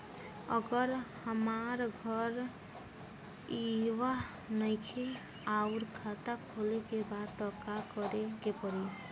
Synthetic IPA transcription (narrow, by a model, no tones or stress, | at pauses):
ə̰ɡəɾhəmaɾɡʱɔɾ | iwa | nəɪkʰe | auɾkʰat̪akʰolekebad̪t̪ɔkakɔɾekepɔɾi